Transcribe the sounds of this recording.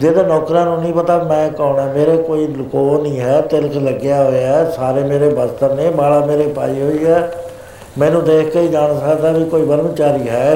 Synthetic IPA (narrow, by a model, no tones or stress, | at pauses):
d͡ʒeːd̪eːnɔːkɾãːnũːnĩːpət̪aːmɛ̃ːkɔːɳɛːmeːɾeːkoːiːlkoːnĩːɦɛːt̪ɪlkləɡjaːɦoːjaːɛːsaːɾeːmeːɾeːbəst̪əɾnẽːbaːlaːmeːɾeːpaːiːɦoːiːɦɛː | mɛ̃ːnũːd̪eːkʰkeiːd͡ʒaːñsəkd̪aːʋiːkoːiːbəɾəmt͡ʃaːɾiːɦɛː